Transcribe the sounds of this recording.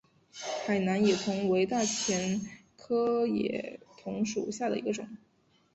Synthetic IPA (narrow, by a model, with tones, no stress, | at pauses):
xa˨˩ɪna˧˥njɛ˨˩t̪ʰʊ˧˥ŋwe˧˥ɪt̪a˥˩t͡ɕʰjɛ˧˥n | kʰɤ˥jɛ̰˨˩t̪ʰʊ˧˥ŋʂṵ˨˩ɕja˥˩d̪ə̰˩ḭ˧˥ɡə˧ʈ͡ʂʊ̰˨˩˦ŋ